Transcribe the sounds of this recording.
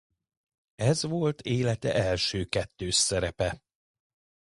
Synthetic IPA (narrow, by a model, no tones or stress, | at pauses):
ɛzʋo̞lt̪ʰeːlɛt̪ɛ̰ʔɛlʃøːkɛt̪ːøːʃsɛɾɛpɛ